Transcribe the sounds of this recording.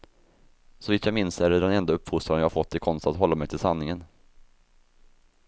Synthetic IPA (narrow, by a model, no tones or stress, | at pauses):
sɔviːt̪ʰjɑamɪnsæɖɖɛnɛnd̪aɵpːfuːst̪ɾaɾənjɑːhaɾfɔt̪ʰːɪkʰɔnst̪at̪ɦɔlːamɛjt̪ʰɪlsanːɪŋən